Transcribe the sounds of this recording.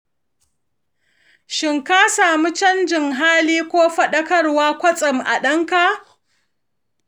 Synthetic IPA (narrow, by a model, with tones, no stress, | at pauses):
ʃɪ˨ŋka˦saː˨mu˦t͡ʃɐ˦nd͡ʒɪ˨ŋɦaː˦liː˦kʷoː˦ɸɐ˦ɗɐ˦kɐ˦rwaː˦kʷɐ˦t͡sʼɪ˨mʔa̰˨ɗɐ˦ŋka˨ʔ